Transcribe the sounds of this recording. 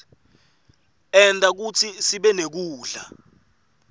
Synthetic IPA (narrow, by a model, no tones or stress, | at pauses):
ɛntʼak̬ut͡sʰisiɓɛnek̬uːɮa